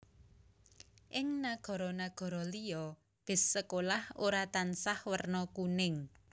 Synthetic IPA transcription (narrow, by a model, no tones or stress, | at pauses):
ʔɪŋnaɡ̥ɔ̤ɾɔnaɡ̥ɔ̤ɾɔlijɔ | b̥ɪ̤sːəkolahoɾat̪ansahwərnɔkunɪŋ